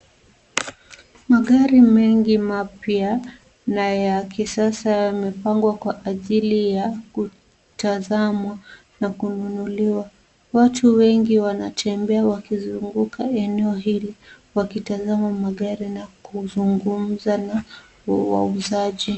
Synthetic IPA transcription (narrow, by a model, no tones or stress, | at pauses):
maɠaɾimɛŋɡimapja | najakisasajamɛpaŋɡwakwaʔaʄilijaku | tazama | nakununuliwa | watʰuwɛŋɡiwanatʰɛmbɛawakizuŋɡukʰaɛnɛɔɦili | wakitazamamaɠaɾinakuzuŋɡum̩zana | wa̰uzaʄi